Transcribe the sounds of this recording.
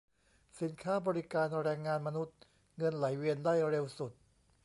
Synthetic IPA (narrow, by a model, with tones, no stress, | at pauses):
si˨˩˦nkʰaː˥˩bɔː˧ɾi˦˥kaː˧nɾɛː˧ŋːaː˧nma˧nu˦˥t̪̚ | ŋɤ˧nla˨˩˦jwi˧əndaː˥˩jɾe˧wsu˨˩t̪̚